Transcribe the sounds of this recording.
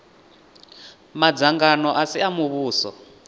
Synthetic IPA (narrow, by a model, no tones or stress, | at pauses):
mad͡zaŋɡanɔʔasiamuβuːsɔ̰